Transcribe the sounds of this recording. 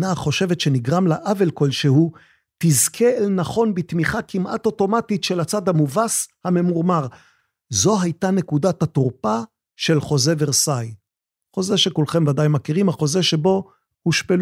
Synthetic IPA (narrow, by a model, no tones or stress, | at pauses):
naχo̞ʃe̞vet̪ʃe̞niɡʁamlaʔave̞lko̞lʃehu | tizkʰe̞elnaχo̞nbit̪miχakimʔa̰to̞to̞matitʃelat͡sad̪hamuvashame̞muʁmaʁ | zo̞ɦajt̪anekudat̪hat̪uʁpa | ʃe̞lχo̞ze̞veʁsaj | χo̞ze̞ʃe̞kulχe̞mvadajmakiʁimhaχo̞zeʃe̞bo̞ | huʃpel